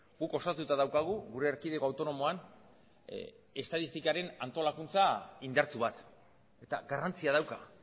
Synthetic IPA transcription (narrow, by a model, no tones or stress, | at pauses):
ɡuko̞sat̪ut̪aðawkaɣ̞uɣuɾe̞ːɾkiðe̞ko̞awt̪o̞no̞mo̞an | e̞st̪at̪ist̪ikaɾe̞nant̪o̞lakunt͡saind̪aɾt͡suβat̪ | e̞t̪aɡarant͡siað̞awka